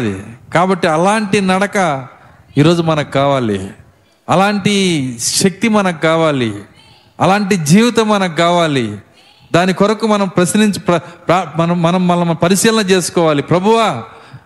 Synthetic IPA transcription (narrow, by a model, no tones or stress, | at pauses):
d̪ḭkaːbɐʈːiɐlaːɳʈinɐɽɐkɐ | iːɾo̞ːd͡ʒumɐnɐkkaːʋaːlḭ | ɐlaːɳʈiʃɐk̚t̪imɐnɐkkaːʋaːli | ɐlaːɳʈid͡ʒiːʋit̪ɐmɐnɐkkaːʋaːli | d̪aːnikɔɾɐkumɐnɐmpɾɐsniɲt͡ʃipɾɐpɾɐnɐːɐnɐmːɐlɐmpɐɾiʃiːlɐnɐt͡ʃe̞ːsu̥kɔːʋaːlipɾɐbʱuʋaː